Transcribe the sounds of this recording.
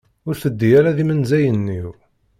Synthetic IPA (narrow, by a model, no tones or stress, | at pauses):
ʊɾθəd̪ːijæɾæðimənzæjənːiw